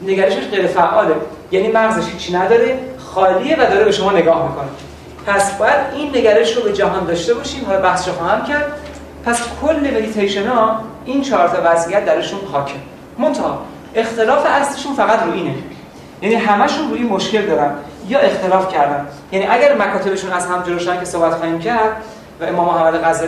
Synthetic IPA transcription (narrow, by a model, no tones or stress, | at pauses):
ne̞ɡæɾe̞ʃeʃɢejɾe̞fæʔːɒːle | jæniːmæɣzeʃhiːt͡ʃʰːinæd̪ɒːɾe̞xɒːliːevæd̪ɒːɾebe̞ʃo̞mɒːne̞ɡɒːhbiko̞ne | pʰæsb̥ɒːjæd̪inːe̞ɡæɾe̞ʃɾobe̞d͡ʒæɦɒːnd̪ɒːʃt̪e̞bɒːʃiːmæbæhsʃɔxɒːhæmcʰæɾd̪ | pʰæskʰolːemeɡ̪it̪ʰejʃenɒ | int͡ʃʰɒːɾt̪ʰɒːvæzʔijæt̪̚d̪æɾiʃunxɒːcʰe | mo̞nt̪ʰɒhɒ̰ | e̞xt̪ʰe̞lɒːfeæsleʃuːnfæɣæt̪ɾuːʔiːne | jæniːɦæmæʃunruːiːnmoʃcʰe̞ld̪ɒːɾænd̪jɒːʔe̞xt̪e̞lɒːfcʰæɾd̪æn | jæniːʔæɡæɾmækʰɒːt̪e̞be̞ʃuːnæzhæmd͡ʒoloːʃænkcʰe̞sohbæt̪xɒːhiːmcʰæɾd̪̥ | væe̞mɒːmohæmːæd̪eɣæzɒ